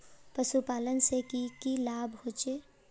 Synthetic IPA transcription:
pəsupaːlənsekikilaːbʱhoːt͡ʃeː

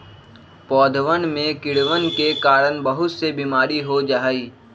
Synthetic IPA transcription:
pɔːd̪ʱʋənmẽkɪɽʋənkekaːɾənbəɦʊt̪sebimaːɾiɦod͡ʒaːiː

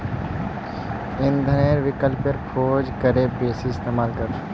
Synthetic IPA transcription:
ɪnd̪ʱəneːɾʋɪkəlpjəɾkʰoːd͡ʒkəɾeːpeːsiɪst̪eːmaːlkəɾ

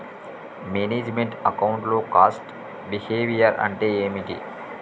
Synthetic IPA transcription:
meːneːd͡ʒmeɳʈɐkɐwuɳʈloːkaːsʈ | biheːʋijɐɾɐ̰ɳʈeːeːmiʈḭ

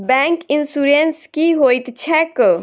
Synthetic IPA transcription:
bɛ̃ːŋkɪnsuːɾenskiɦoːit̪t͡ʃʰɛk

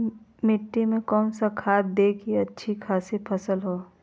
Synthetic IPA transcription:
mɪʈːimẽkɔːnsakʰaːt̪̚d̪eːkʰiɐtːʃʰikʰaːsipʰɐsəlɦoː

